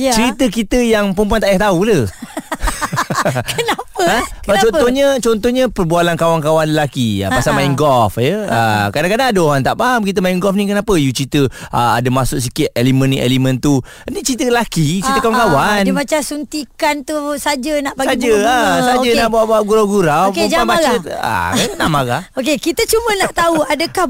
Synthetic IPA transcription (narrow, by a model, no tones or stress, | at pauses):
jt͡ʃəɾit̪əkit̪əjaŋpəmp̬uant̪aʔjaht̪aulə | kənapəə̃kbat͡ʃɔnɔɲət͡ʃɔnt̪ɔhɲə̃pərbualankawankawanləlakia̰pasamaiŋɡɔfjəa̰kadaŋkadaŋadəoɦant̪aʔpaɦamkit̪əmaiŋɡɔfnikənãpəjut͡ʃɾit̪əaa̰dəmasʊʔs̬ikɪt̪̚elimə̃nːiʔḛlimə̃nt̪u | nit͡ʃit̪əəlakit͡ʃit̪əkawankawandimat͡ʃasunt̪ikant̪usad͡ʒənaʔpaɡsad͡ʒəasad͡ʒənaʔbaʔbaʔɡuɾawɡuɾawkumamat͡ʃəa̰kaanaʔmaɡaokekit̪ət͡ʃumə̃naʔt̪auadəkah